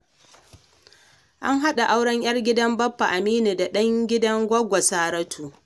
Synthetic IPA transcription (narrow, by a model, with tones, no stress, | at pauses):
ʔa˦ŋɦa˦ɗa˨ʔa˦wɽɐ˦ɲj̰ɐ˦rɡʲɪ˦dɐ˦mbɐ˦pːa˨ʔa˨miː˦ni˨da˨ɗɐ˦ŋɡʲɪ˦dɐ˦ŋɡʷɐ˦ɡʷa˨saː˦ɾɐ˦tʰuː˨